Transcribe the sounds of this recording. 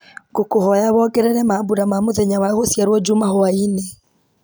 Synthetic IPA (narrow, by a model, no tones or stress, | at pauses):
ŋɡokohɔjaβɔɡɛɾɛɾɛmaβuɾamamoðɛɲawaɣosjaɾwɔd͡ʒumahoainɛ